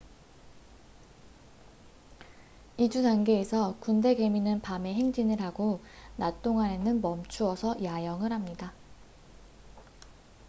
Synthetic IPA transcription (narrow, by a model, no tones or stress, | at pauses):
id͡ʑudaŋɡe̞ːsʰʌkunde̞ɡe̞minɯnpame̞ɦe̞ŋd͡ʑinɯɭɦaɡo | nat͈oŋane̞nɯnmʌmt͡ɕʰuʌsʰʌjajʌŋɯɾhamɲida